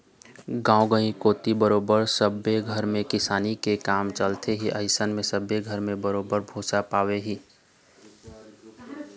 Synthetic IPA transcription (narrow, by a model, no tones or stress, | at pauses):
ɡãːoɡə̃ĩkoːt̪ibəɾoːbəɾsəbeɡʱəɾmẽkɪsaːnikekaːmt͡ʃəlt̪ʰeɦiʔəɪsənmẽsəbeɡʱəɾmẽbəɾoːbəɾbʱoːsapaːweɦiː